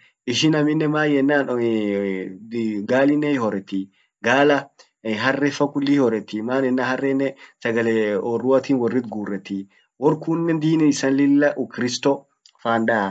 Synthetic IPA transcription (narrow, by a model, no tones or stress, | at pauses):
ʔɪʃɪnɐmɪnːɛmaːjɛnːaːn | ɡaːlɪnːɛhɪhɔɾɛt̪ːi | ɡaːlɐ | ɦɐrːɛfɐkʊlːihɔɾɛt̪ːimaːnɛnːahɐrːɛnːɛsɐɡɐlɛɔːrʊɐt̪iːnwɔrːɪt̪ɡuːrːɛt̪ːi | wɔɾkuːnːɛnd̪iːnɛɪsɐnlɪlːɐʔʊkɾɪst̪ɔ | faːnᶑɐɐ